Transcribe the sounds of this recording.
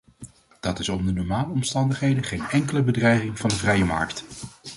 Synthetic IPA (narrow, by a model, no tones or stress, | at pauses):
d̥ɑtɪsɔmdənɔɹmaːləɔmstɑndəχɦejdəχejnɛŋkələbədrɛjχɪŋvɑndəvrɛjəmɑ̰ɹkt